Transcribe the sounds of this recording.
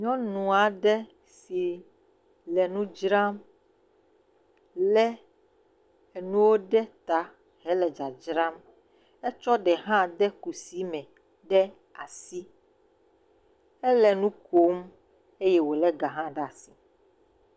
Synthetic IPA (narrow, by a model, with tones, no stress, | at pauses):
ɲɔ̃˦nũ˨a˨ɖɛ˦ | si˨ | lɛ˨nũ˦d͡ʒɾa˦m | lɛ˦ | e˨nũ˦wo˦ɖɛ˦t̪a˨ | ɦɛ˦lɛ˨d͡ʒa˨d͡ʒɾa˦m | ɛ˦t͡ʃɔ˦ɖɛ˨ɦã˦ɖɛ˦ku˨si˨˦mɛ̃˨ | ɖɛ˦ | a˨si˦ | ɛ˦lɛ˨nũ˦ko˦m | e˦jɛ˦wo˨lɛ˦ɡa˨ɦã˦ɖa˨si˨